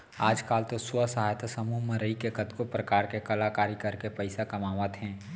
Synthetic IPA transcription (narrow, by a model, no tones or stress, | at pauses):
aːd͡ʒkaːlt̪osʊəsɐɦaːjət̪ʰsɐmuːɦmẽɾɐɦikekət̪kopɾɐkaːɾkekɐlaːkaːɾikɐɾkepəɪsakɐmaːʋət̪ɦɛ̃ː